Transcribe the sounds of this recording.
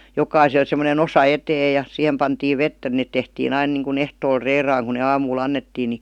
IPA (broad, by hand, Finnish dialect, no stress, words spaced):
jokɑisel semonen osɑ eteː jɑ sihem pɑntiːʋ ʋetːæ net tehtiːn ɑin niˑŋkun ehtoːl reːrɑːŋ ku ne ɑːmuːl ɑnːetːiː ni